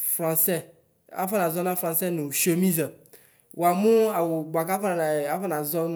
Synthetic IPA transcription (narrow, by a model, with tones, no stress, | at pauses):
fɾã˨sɛ˦ | a̰˦fa˦na˨zɔ˦na˦fɾã˨nsɛ˦nũ˨ʃo˨mĩ˦za˨ | wa˨mũ˦a˨wʊ˨ɡ͡bʷa˨ka˦fa˦na˨a˦fa˦na˨zɔ˦n